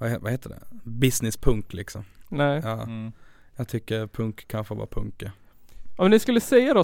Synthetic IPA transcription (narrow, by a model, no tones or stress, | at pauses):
vahɛvaheːt̪ːəɖɛ̰bɪsnɪspʰɵŋklɪksɔmnɛjɑː | jɑɡt̪ʰʏkːəɾpʰɵŋkkʰːanɧəvɑ̰ːpʰɵ̰ŋkːə | ʔɔmnɪskɵlːəsɛjːad̪ɔ